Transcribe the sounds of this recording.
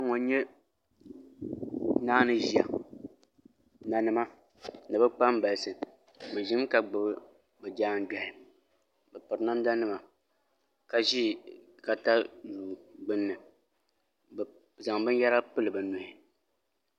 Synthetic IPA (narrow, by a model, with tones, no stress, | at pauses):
a˦ŋɔ˨n˦ɲɛ˦ | naː˦nɨ˦ʒi˨a̰˨ | na˨nɨ˦ma˦ | nɨ˨bɨ˦k͡pa˦m˦ba˨lsɨ˨ | mɨ˨ʒi˦ŋ˦ka˨ɡ͡bɨ˨bɨ˦ | bɨ˨d͡ʒaː˦n˦da˨hɪ˨ | bɛ˨pɨ˨ɾna˦m˦da˦nɨ˦ma˨ | ka˨ʒiː˦˨ | ka˨ta˦duː˨ɡ͡bɨ˦nːɨ˨ | b | za˨ŋbɨ˦n˦ja˦ɾa˦pɨ˦lɨ˨bɨ˨nʊ˨hɪ˨